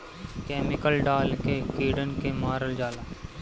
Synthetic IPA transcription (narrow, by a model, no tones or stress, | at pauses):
kɛːmɪkəlɖaːlkekiːɖənkemaːɾəld͡ʒaːlaː